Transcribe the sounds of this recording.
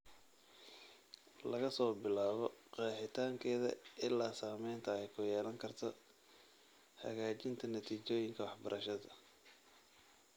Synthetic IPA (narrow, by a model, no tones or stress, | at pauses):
lɐɣɐsɔːbɪlaːβɔqɑːħɪt̪ʰaːŋkʰɛːðɐ̰ʔɪlːaːsaːmɛjnt̪ʰɐɛjkʰʊjɛːlɐŋkʰɐrt̪ʰɔ | hɐ̰ɣaːt͡ʃɪnt̪ʰɐnɐt̪ʰiːt͡ʃɔːjɪŋkʰɐwɑħbɐɾʔɐʃɐðɐ